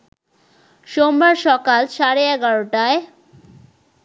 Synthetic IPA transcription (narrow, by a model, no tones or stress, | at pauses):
ʃombaɾʃɔkalʃaɾeɛɡaɾoʈae